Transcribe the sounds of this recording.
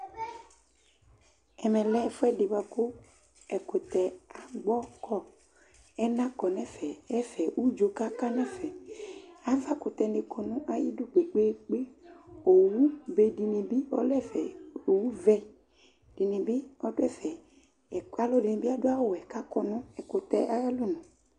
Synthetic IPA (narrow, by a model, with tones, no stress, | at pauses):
ɛ˨mɛ̃˨lɛ˦˨fo˦ɛ˦ɖe˨ba˨ko˦ | ɛ˨ko˨t̪ɛ˨a˨ɡ͡bɔ˦kɔ˦ | ɛ˦nã˦kɔ˨nɛ̃˦fɛ˨ɛ˦fɛ˨wu˦d͡ʒo˨˦ka˦ka˦nɛ̃˦fɛ˨ | a˦va˦ko˨t̪ɛ˨nɖe˨kʰɔ˨nũ˦ʔa˨ji˦ɖo˦ɡ͡be˨k͡pe˦k͡pe˦o˨wu˦be˦di˨nẽ˨bi˦ɔ̰˦lɛ˦fɛ˨o˨wu˦vɛ˦ | d̥i˨nẽ˨bi˦ɔ˦do˦ɛ˦fɛ˨ | ɛ˨ka˦lɔ˦di˨nẽ˨bi˦a˦do˦a˦wo˦˨wɛ˨ka˦kɔ˦nũ˦ɛ˨ko˨t̪ɛ˨ʔa˦a˦lo˦nũ˨